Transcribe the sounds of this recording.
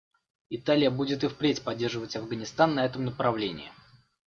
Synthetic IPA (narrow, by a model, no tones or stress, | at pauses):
ɪt̪alʲɪjəbudʲɪt̪ɨfpɾʲetʲpɐdʲːe̞rʐɨvətʲɐvɡənʲɪst̪anːɐɛt̪əmnəpɾɐvlʲenʲɪ̰ɪ